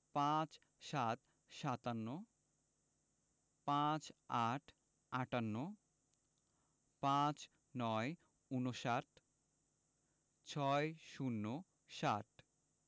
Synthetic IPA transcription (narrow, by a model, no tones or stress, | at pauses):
pãt͡ɕ | ʃat̪ | ʃat̪anːo | pãt͡ɕaʈʰ | aʈanːo | pãt͡ɕ | nɔe | unoʃaʈ | t͡ɕʰɔeʃunːo | ʃaʈ̚ʰ